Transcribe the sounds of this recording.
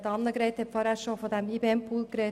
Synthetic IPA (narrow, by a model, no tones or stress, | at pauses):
dɑnːəɡɾeːt̪hɛpfɔɾæʃofod̪æmibeːɛmpʰuːlkɾeː